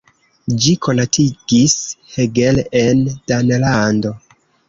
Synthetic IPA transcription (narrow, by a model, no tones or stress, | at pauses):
d͡ʒikʰo̞natʰiɡisheɡelʔend̥anelando̞